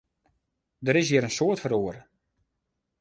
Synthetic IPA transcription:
dəɾɪs̬jɪəɾənsoətfəɾoərə

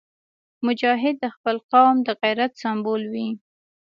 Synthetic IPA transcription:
mʊd͡ʒɑɦɪd̪ːəxpəlqawmd̪əɣajɾat̪sambolwi

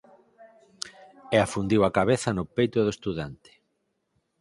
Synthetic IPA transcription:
ɛafund̪iwakaβeθɐnʊpejt̪oðoest̪uðant̪ɪ̥

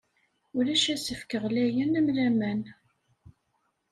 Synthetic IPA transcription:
ʊɾæʃæsəfkəʁlæjənæmlæmæn

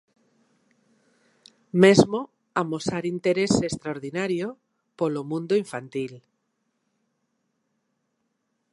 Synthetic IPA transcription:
mezmo | amosaɾint̪eɾesest̪ɾaoɾðinaɾjo | polomũnd̪oiɱfant̪il

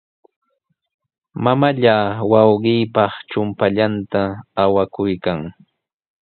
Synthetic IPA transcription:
mamaʎawɑwɢɪːpɑχt͡ʃʊmpaʎant̪aːwakʊjkaŋ

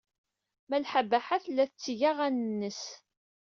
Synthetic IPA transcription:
mælħabæħaθlːæθət͡sːiʝaʁænənːəs

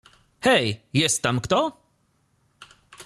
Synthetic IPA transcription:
hɛjjɛst̪ɐmkt̪ɔ

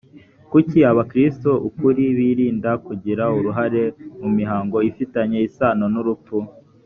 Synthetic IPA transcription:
kuciaβakɾistoʔukuɾiβiːɾiːndakuɟiɾauɾuɦaɾe̞mumiɦaːŋɡo̞ifitaɲe̞isaːnonuɾup̪fu

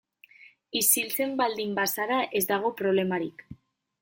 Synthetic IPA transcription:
isilt͡se̞mbald̪imbasaɾaʔe̞zd̪aɣ̞o̞pɾo̞β̞le̞maɾik

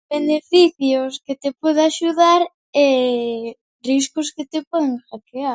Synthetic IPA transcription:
benefiθjosket̪epwɔðeaʃuðaɾ | ɛ | riskʊsket̪epɔðẽŋxakeaɾ

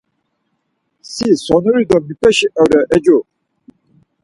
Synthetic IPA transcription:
sisɔnuɾid̪ɔmipʼɛʃiʔɔɾɛʔɛd͡ʒɔ

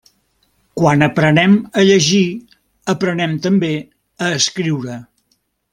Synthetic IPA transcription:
kwanəpɾənɛməʎəʒi | əpɾənɛmt̪əmbe | əːskɾiwɾə

